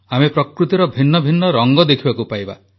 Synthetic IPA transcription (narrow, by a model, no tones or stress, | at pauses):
amepɾɔkɾut̪iɾɔbʱinːɔbʱinːɔɾɔŋɡɔd̪ekʰibakupajba̰